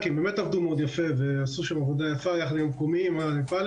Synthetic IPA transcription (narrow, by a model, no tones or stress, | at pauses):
kimbemet̪avd̪umeod̪jafeveasuʃamavod̪ajafajaχad̪jomkomimanifal